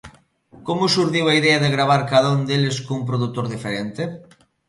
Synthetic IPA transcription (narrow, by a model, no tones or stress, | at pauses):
komʊsuɾðiwaiðɛɐðɪɣɾaβ̞aɾkaðaund̪elɪskoump̬ɾoðut̪oɾðifeɾent̪ɪ